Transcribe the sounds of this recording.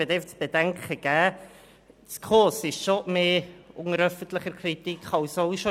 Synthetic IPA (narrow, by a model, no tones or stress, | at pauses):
ədɛft͡sb̥edɛŋkχəɡ̥ɛː | t͡skʰoːsɪʃʃomeːʊŋəɾœfən̩tləχəɾkʰritikχɑwsoʊʃo